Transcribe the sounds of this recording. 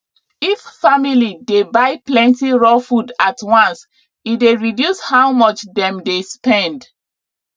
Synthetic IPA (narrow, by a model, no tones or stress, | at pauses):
iffamilidebaɪplɛ̃ntiɹɔfudatwãns | ideɹidjushawmɔt͡ʃdɛ̃mdespɛ̃nd